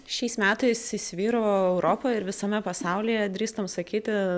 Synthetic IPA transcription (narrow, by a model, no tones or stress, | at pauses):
ʃʲɛɪsmʲæːt̪ɐɪsɪsʲʋʲiːɾooɛʊɾoːpoːɪɾʋʲɪsɐmʲɛpɐsɑˑʊlʲiːjɛd̪ʲɾʲiːst̪ɐmsɐkʲiːt̪ʲɪ